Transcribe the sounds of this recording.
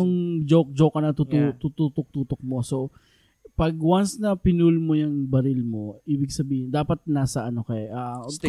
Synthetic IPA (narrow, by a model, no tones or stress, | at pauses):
ʊŋd͡ʒok̚d͡ʒokɐnɐt̪ut̪ut̪ut̪ut̪ok̚t̪uːt̪ok̚mo̞so̞ | pɐɡ̚wɐnsnɐpɪnulmojɐŋbɐɾɪlmo̞iːbɪɡsɐbiːhɪnd̪aːpɐt̪̚naːsɐʔɐno̞kɐɛʔa